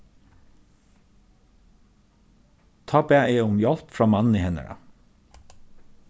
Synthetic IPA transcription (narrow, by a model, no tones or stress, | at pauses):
t̪ʰɑːbæːʔeːʊmjɔlpfɹɑːmɑnn̩iːhɛnə̰ɹɑ̰